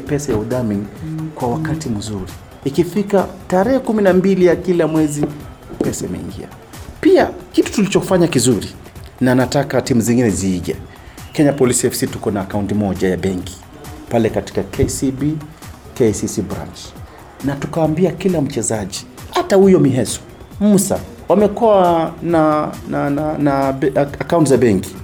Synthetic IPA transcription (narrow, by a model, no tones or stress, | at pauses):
pɛsajauðamiŋkwawakatim̩zuɾiː | kifikataɾɛhɛkuminambilijakilamwɛzi | pɛsaimɛ̰ḭŋɡḭa̰ | piakitu̥tulit͡ʃɔkufaɲakizuɾi | nanatakatimuziŋɡinɛziːʄɛ̰ | kɛɲapɔlisiɛfsitukɔnaːkauntimɔʄajaɓɛŋki̥ | palɛkati̥kakʰɛsibi | kɛsisibɾa̰nt͡ʃ | natukawambiakilam̩t͡ʃɛzaʄi | hatahujɔmiɦɛsɔ̥ | m̩sa̰ | wamɛkuwananananaakauntizaɓɛŋki̥